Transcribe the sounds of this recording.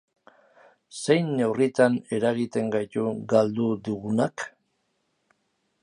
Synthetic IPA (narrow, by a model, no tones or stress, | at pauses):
se̞jnewrit̪ane̞ɾaɣit̪e̞ŋɡajt̪uɡald̪ud̪uɣunak